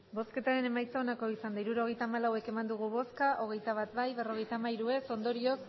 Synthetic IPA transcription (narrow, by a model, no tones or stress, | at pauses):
bo̞ske̞t̪aɾe̞ne̞majt͡saonako̞isand̪aiɾuɾo̞ɣ̞e̞jt̪aːmalawe̞ke̞mand̪uɣ̞uβo̞skaʔo̞ɣe̞jt̪aβ̞at̪bajβe̞ro̞ɣ̞e̞jt̪aːmaiɾue̞so̞nd̪o̞ɾio̞s